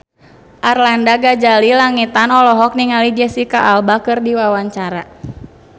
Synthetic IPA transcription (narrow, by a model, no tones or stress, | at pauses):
ʔarlandaɡad͡ʒalilaŋit̪anɔlɔɦɔk̚niŋalid͡ʒɛsikaʔalbakɨrdiwawaɲt͡ʃaɾa